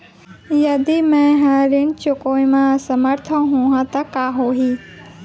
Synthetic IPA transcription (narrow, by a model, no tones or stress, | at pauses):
jɐd̪imɛ̃ɦaɾint͡ʃʊkoːĩmãsəməɾt̪ʰõɦũːɦãt̪ɐkaːɦoɦi